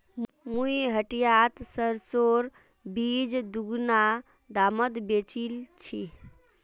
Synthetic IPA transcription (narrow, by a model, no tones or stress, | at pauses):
mujɦəʈijat̪səɾsoɾ | bid͡ʒd̪uɡna | d̪aməd̪bet͡ʃilt͡ʃʰi